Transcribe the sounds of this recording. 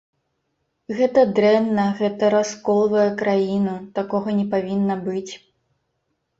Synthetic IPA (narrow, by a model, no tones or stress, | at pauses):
ɣɛt̪ɐd̪ɾɛnːɐɣɛt̪ɐɾaskɔlˠvɐjɛkɾajinut̪akɔɣɐnʲɛpavʲinːɐbɨt͡sʲ